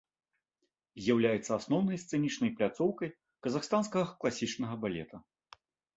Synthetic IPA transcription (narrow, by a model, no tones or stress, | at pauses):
zʲjawlʲajɛt̪sːɐasnɔwnɐjst̪sɛnʲit͡ʂnɐjplʲat̪sɔwkɐj | kɐzaxst̪anskɐɣɐklˠasʲit͡ʂnɐɣɐbalʲɛ̰t̪ʰɐ